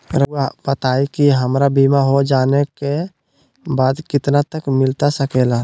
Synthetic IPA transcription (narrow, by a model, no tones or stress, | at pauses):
ɾəabət̪aikiɦəmɾabimaɦod͡ʒaneke | baːd̪kɪt̪nat̪əkmɪlt̪asəkela